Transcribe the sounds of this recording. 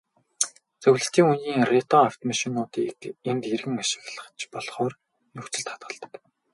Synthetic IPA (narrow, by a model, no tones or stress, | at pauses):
t͡sɵɣɮɘ̆ɬt̪iːŋunjiːŋret̪ɔaw̥t̪maʃinʊːt̪iːkemt̪erɣɘ̆ŋaʃɪ̥̆ɣɮə̆χt͡ɕpɔɮχɔːr | nɵkt͡ɕɘ̆ɮt̪χḁt̪̚ɢə̆ɮt̪ə̥̆k